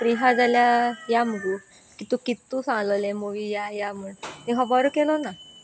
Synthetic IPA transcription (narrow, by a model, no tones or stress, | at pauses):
pɾiɦad͡zaljajaməɡu | kit̪ũkit̪ːusãŋləlemoʋijajaməɳniɦɔbɔɾokelona